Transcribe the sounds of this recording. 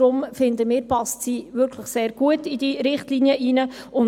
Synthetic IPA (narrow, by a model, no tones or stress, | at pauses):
ɾʊmfɪnd̪əmɪːɾpɑstsiːʋʏɾkʰləχseːɾɡ̥uətid̥iɾɪχtliniəʔiːnə | ʊn